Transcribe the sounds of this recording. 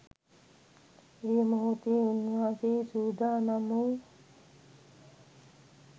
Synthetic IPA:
ɾimɐɦut̪iinːaːsisuːd̪ʱaːnɐmu

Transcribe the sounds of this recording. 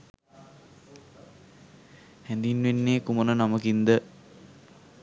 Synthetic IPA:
hænd̪inʋenːeːkumənənaməkind̪ə

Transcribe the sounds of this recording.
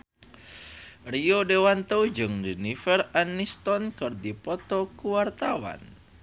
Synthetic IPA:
riodewant̪owd͡ʒɨŋdinifɛranːist̪ɔnkɨrdipɔt̪ɔkuwart̪awa̰n

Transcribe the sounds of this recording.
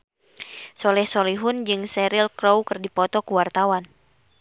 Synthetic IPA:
sɔlɛhsɔliɦʊnd͡ʒɨŋsɛɾilkɾowkɨrdipɔt̪ɔkuwart̪awan

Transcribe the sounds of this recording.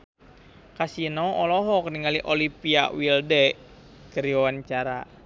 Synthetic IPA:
kasinɔɔlɔɦɔkniŋaliʔolipia̰wildɛ | kəɾiawant͡ʃaɾa̰

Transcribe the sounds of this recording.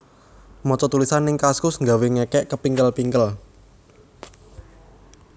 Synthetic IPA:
mɔt͡ʃɔt̪ulisanːɪŋkaskʊsŋɡaweŋɛkɛʔkəpiŋkəlpiŋkəl

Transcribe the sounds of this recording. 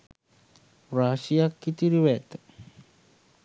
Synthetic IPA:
ɾasiakːit̪iɾiwet̪

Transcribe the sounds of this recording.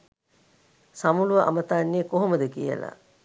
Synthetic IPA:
samuluʋɐʔa̰mət̪aːnːijekoɦoməd̪əkijə̰la̰

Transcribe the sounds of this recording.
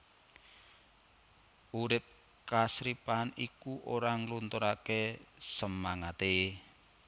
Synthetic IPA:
uɾɪp̚ | kasɾipanikuʔoɾaŋlunt̪oɾakesəmaŋat̪e

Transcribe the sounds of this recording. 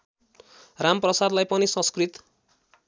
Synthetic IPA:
ramprʌsad̪lajpʌnisʌ̃skrit̪

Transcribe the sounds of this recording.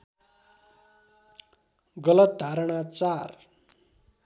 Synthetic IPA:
ɡʌlʌt̪̚d̪ʱaɾɽ̃at͡sar

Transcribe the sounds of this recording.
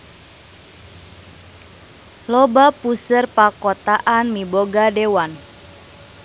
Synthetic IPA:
lɔbapusərpakɔt̪aʔanmiboɡadewan

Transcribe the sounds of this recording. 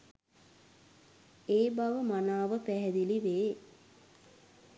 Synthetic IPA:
eːbaʋəmanaːʋəpæɦɛd̪iliʋeː

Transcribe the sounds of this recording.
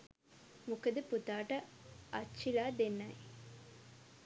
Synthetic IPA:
mukəd̪əput̪aːʈəʔɐt͡ʃːt͡ʃːʃilaːd̪enːɐj

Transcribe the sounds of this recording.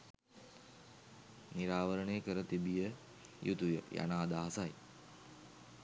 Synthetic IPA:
niɾaːʋəɾəɳəjkəɾət̪ibijə | jʔut̪ujəja̰naːd̪aːsaj

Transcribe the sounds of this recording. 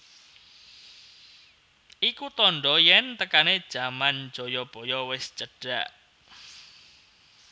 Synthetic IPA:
ʔikut̪ɔɳɖɔjɛnt̪əkaned̥ʒ̥a̤man̥d͡ʒ̥ɔ̤jɔb̥ɔ̤jɔwɪst͡ʃəɖ̥aʔ

